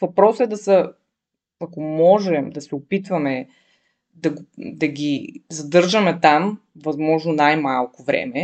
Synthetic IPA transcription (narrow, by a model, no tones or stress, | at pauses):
vɐpɾɔsɛd̪ɐsə | ɐkomɔʒɛmd̪ɐsɛopit̪vɐmɛ | d̪ɐɡod̪ɐɡʲizɐd̪ɤɾʒɐmɛt̪am | vɐzmɔʒnonajmalˠkovɾɛ̰mɛ